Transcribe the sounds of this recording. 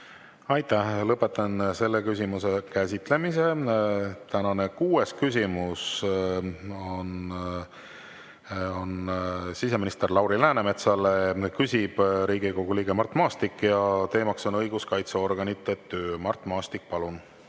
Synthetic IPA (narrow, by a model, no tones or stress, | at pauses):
ɑjt̪æhlɤpːˑe̞t̪ːˑɑnse̞lːekys̬ʲimuse̞kæsʲit̪ˑle̞mise̞ | t̪ænɑne̞kuːe̞skysʲimus | on | o̞nsise̞minist̪erlɑwɾilæːneme̞t̪sɑlekysʲib̥ɾiːɡiko̞ɡ̥uliːɡe̞mɑrt̪ˑmɑːst̪ikːˑjɑt̪e̞ːmɑkso̞nɤjɡ̥uskɑjt̪seo̞rɡ̥ɑnit̪ːˑet̪ːøːmɑrt̪ˑmɑːst̪ik̚ːpɑlun